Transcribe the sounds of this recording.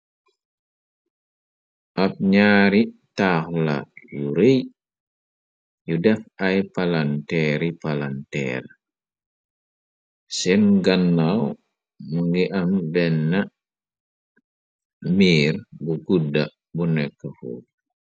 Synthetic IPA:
ʔap̚ɲaːɾitaxla̰juɾej | judɛfajpalantɛɾipalantɛ̰r | sɛnɡanːaw | muŋɡiʔamdɛnːa | miːɾbuɡuda | bunɛkːafṵ

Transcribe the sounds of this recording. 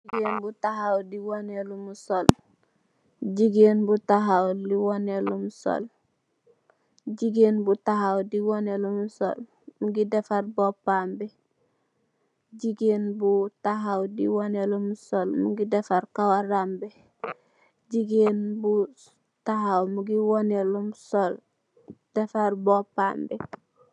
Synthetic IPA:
iɡenbutaɦawdiwonelumusol | ɟiɡeːnbutaɦawliwonelumso̰l | ɟiɡenbutaɦawdiwonelumuso̰l | muɡidefaɾbopambɛ | ɟiɡeːnbutaɦawdḭwonelumsolmuɡidefaɾkawaɾambe | ɟiɡenbu | taɦawmuɡiwonelumsol | d̥efaɾbopaːmbe

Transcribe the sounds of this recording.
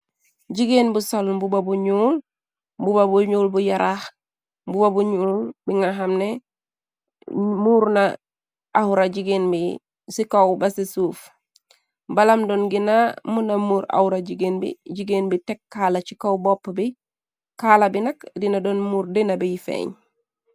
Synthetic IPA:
ɟiɡenbusalmbubabuɲuːl | bubabuɲuːlbujaɾah | bubabuɲuːlbiŋaɦamne | muːɾnaː | huɾaɟiɡenbi | sikawbasisuːf | balamdonɡinamunamuːɾa̰huɾaɟiɡeːnbḭɟiɡenbitekːaːlat͡ʃikawbopːbi | kaːlabinɐkdinadonmuɾdinabijifḛːɲ

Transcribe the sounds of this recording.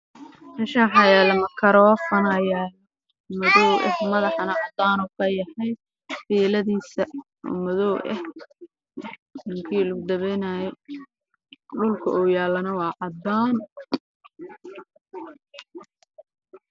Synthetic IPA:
ɪnʃaːħɑjɛːlɐmɐkʰɐɾɔːfɐnɐjaj | mɐðɔwʔɛ̰hmɐðɑħɑnɐʕɑd̪aːnɔːkʰɐjɐhɛj | fiːlɐðiːsɐ | ɔ̰mʊðɔwʔɛ̰h | nʊŋkʰiːlʊɡʊd̪ɐβɛjnaːjɛ | ɖʊlkʰɐ̰ʔɔːjaːlːɐnɐwɑːʕɑd̪aːn

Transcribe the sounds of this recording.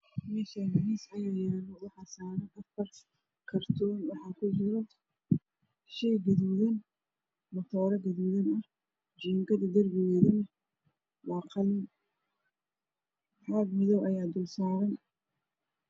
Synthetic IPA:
mɛːʃalɐðiːsɐjʊjaːnɔwɑħɑːsaːnɐʔɐfɐr | kʰɐrt̪ʰɔːnwɑħɑːkʰʊt͡ʃɪɾɔ | ʃɛjɡɐðuðɐn | mɐt̪ʰɔːɾɐɡɐðuðɐnɐh | d͡ʒiːŋkʰɐðɐd̪ɐrɡɪɣɛːðɐnɐ | wɑːqɑlɪn | ħɑɡmɪðɔwʔɐjaːd̪ʊlsaːɾɐn

